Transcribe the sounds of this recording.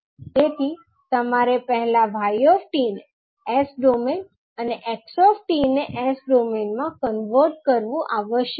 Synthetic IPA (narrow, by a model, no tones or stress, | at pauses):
t̪et̪ʰi | t̪əmaɾepəɦɛlaʋʱajɔfʈine | esɖomen | əneʔeksɔfʈineʔesɖomenmãkənʋəɾʈ̚kəɾʋũʔaʋəʃj